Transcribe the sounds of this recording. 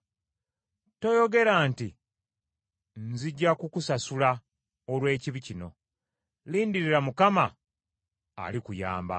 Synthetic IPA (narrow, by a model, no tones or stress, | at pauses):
to̞jo̞ɡe̞ɾaːnti | nziɟːakukusasula | olwe̞ːciβicino̞ | liːndiɾiɾamukama | likuja̰ːmba̰